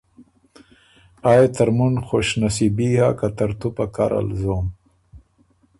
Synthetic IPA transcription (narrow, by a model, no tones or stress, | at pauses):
aːjt̪aɾmunxoɕnasibihakat̪ɐɾt̪upaka̰ɾa̰lzoːm